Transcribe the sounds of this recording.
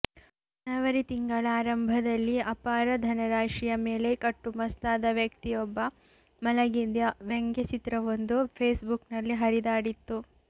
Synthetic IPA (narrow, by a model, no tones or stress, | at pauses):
nɐʋɐɾit̪iŋɡɐɭaːɾɐmbʱɐd̪ɐlːiɐpaːɾɐd̪ʱɐnɐɾaːʂijɐme̞ːle̞kɐʈːumɐst̪aːd̪ɐʋjɐkt̪ijɔbːɐ | mɐlɐɡid̪jɐʋeŋɡjet͡ʃit̪ɾɐʋond̪upʰeːsbuknɐlːiɦɐɾid̪aːɽit̪ːu